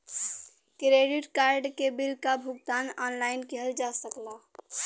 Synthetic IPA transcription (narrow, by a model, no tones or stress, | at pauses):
kɾeɖiʈkaɾɖkebilkabʱuɡt̪anɔnlaɪnkɛɦəld͡ʒasəkla